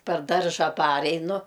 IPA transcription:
pʲɛr ˈdɐrʒɐ ˈpɑːrʲɛɪnʊ

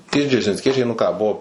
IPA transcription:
ˈtʲiɛ d͡ʒʲɛrʲʒʲɪnʲsʲˈkʲiɛt͡ʃʲɛɪ nʊ ˈkɑː ˈbʊʋoː

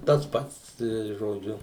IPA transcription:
tɐs ˈpɐts tɐɪ ʒoːˈd͡ʒʲʊ

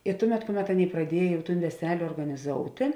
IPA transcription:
ɪ ˈtʊˌmʲɛt ˈkʊˌmʲɛt ˈɑːˌnʲeːɪ prɐˈdʲiɛj ʋʲɛˈsʲɛlʲ oːrɡɐnʲɪˈzoːʊtʲeː

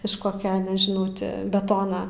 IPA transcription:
ɪʃ ˈkoːkʲɛ nʲɛʒʲɪˈnɐʊ tʲɪ bʲɛˈtoːnɐ

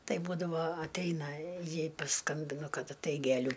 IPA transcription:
ˈtɐɪ ˈbuːdɐʋoː ɐtʲˈɛɪnɐ ˈjɛɪ pɐˈskɐmʲbʲɪnʊ ˈkɐt ɐtˈɐɪk ɡʲɛˈlʲuː

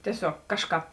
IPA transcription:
tʲiɛˈsʲoːk ˈkɑːʃˌkɑːp

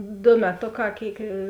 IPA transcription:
ˈdoː mʲɛˈtoːˌkɑː ˈkʲeːɪk

